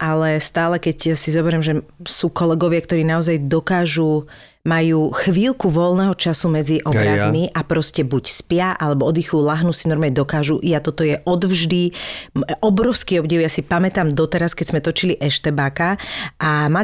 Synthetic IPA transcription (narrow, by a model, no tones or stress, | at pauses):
ʔalɛst̪aːlɛkɛcsizɔbɛɾɪɛmʒɛsuːkɔlɛɡɔʋɪakt̪ɔɾiːnaɔzajd̪ɔkaːʒu | majuːxʋilkuʋɔlˠnɛɦɔt͡ʃasumɛd͡ziʔɔbɾazmiʔapɾɔscɛbucspɪaʔalɛbɔɔd̪ixujuːlaɦnusinɔɾmaɲɛd̪ɔkaːʒuʔiat̪ɔt̪ɔjɛʔɔd̪vʒd̪i | ʔɔbɾɔʊskiɔbɟiɛʊjasipamɛt̪amd̪ɔt̪ɛɾaskɛɟzmɛt̪ɔt͡ʃiliʔɛʃt̪ɛbaːkaʔama